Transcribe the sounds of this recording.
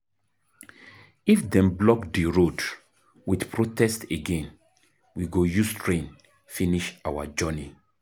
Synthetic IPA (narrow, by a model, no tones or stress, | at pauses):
ifdɛ̃mblɔkdəɹod | widpʰɹotɛsteɡɛ̃n | wiɡojustʰɹẽn | finiʃawa̰d͡ʒɔni